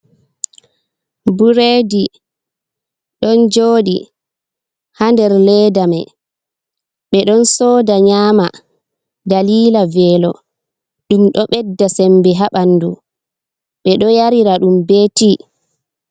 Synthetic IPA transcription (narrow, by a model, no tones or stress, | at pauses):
buɾeːdi | ɗɔnd͡ʒoːɗḭ | handɛɾlɛːdamɛ̰ | ɓɛɗɔnsɔːdaɲaːma | daliːlavɛːlɔ̰ | ɗumɗɔɓɛdːasɛmbɛɦaɓandu | ɓɛɗɔjaɾiɾaɗumbeːti